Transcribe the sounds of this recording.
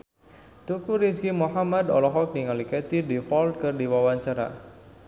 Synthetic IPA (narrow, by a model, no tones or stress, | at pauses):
t̪ukuɾid͡ʒɡimuħamad̪ɔ̰lɔɦɔk̚niŋalikɛt̪idifɔlt̪̚kɨrdiwawaɲt͡ʃaɾa̰